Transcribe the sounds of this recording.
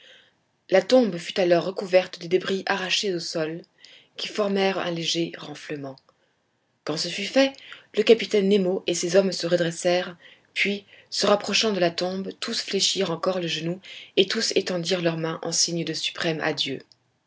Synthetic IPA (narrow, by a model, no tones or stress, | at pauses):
lat̪ɔ̃bfyt̪alɔʁːəkuvɛʁt̪d̪ed̪ebʁiʔaʁaʃeosɔl | kʲifɔʁmɛʁɛ̰̃leʒeʁɑ̃fləmɑ̃ | kɑ̃səfyfɛləkapit̪ɛnːemoʔesezɔmsəʁəd̪ʁɛsɛʁ | pɥisəʁapχɔʃɑ̃d̪əlat̪ɔ̃bt̪usfleʃiʁɑ̃kɔʁləʒənuet̪usḛt̪ɑ̃d̪iʁlœʁmɛ̃ʔɑ̃siɲd̪əsy̥pχɛma̰d̪jø